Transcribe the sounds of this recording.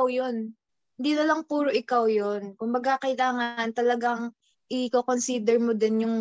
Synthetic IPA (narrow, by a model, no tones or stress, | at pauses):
wjo̞n | hɪnd̪iːnɐlɐŋpuːɾoʔɪkawjonkʊmbɐɡakɐɪlaːŋɐɐnt̪ɐlɐɡaŋ | ʔɪkokonsiːd̪ɛɹmod̪ɛnjʊŋ